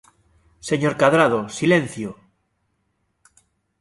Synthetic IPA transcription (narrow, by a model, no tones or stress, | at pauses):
seɲoɾkaðɾað̞osilẽn̟θjo